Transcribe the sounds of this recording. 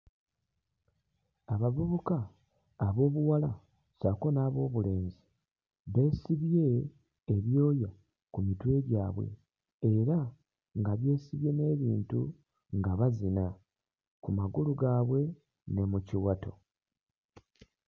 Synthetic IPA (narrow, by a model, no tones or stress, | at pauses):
aβavuβukaː | βo̞ːβuwala | sako̞naːβo̞ːβule̞ːnzi | βe̞ːsiβje̞ː | βjo̞ːja | kumitwe̞ːɡaːβwe̞̰ | eɾa | ŋɡaβje̞ːsiβje̞ne̞ːβiːntu | ŋɡaβazina | kumaɡuluɡaːβwe̞ | ne̞muciwato̞̰